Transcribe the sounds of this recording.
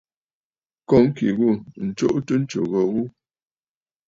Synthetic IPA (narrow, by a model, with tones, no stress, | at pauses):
kɔ˨˦ŋ̩˦kḭ˨ɣu˦˨n̩˨t͡ʃo̰˦ʔtə˦n̩˦t͡ʃo̰˨ɣə˨ɣu˦